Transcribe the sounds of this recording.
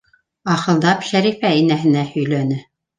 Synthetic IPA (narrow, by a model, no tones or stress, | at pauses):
ɑχɤ̆lˠd̪ɑpʃæɾifæinæɦɘ̆næhɵ̆jlænɘ